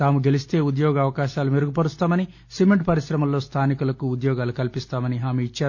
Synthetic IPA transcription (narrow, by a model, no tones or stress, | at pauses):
t̪aːmuɡelist̪e̞ːud̪jɔːɡɐɐʋɐkaːʃaːlumeɾuɡupɐɾust̪aːmɐni | simeɳʈpɐɾiʃɾɐmɐlːo̞ːst̪ʰaːnikulɐkuud̪jɔːɡaːlukɐlipist̪aːmɐniɦaːmiit͡ʃːaːɾu